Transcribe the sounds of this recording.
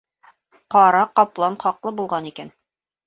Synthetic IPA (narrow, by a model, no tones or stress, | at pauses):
qɒɾɑqɒplˠɑnχɑqlˠɤbulˠʁɑnikæn